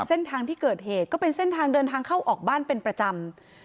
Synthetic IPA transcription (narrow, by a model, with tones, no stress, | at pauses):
se˥˩nt̪ʰaː˧ŋt̪ʰiː˥˩kɤː˨˩t̪̚heː˨˩t̪̚kɔː˥˩pe˧nse˥˩nt̪ʰaː˧ŋdɤː˧nt̪ʰaː˧ŋkʰa˥˩wʔɔː˨˩k̚baː˥˩npe˧npɾa˧t͡ɕa˧m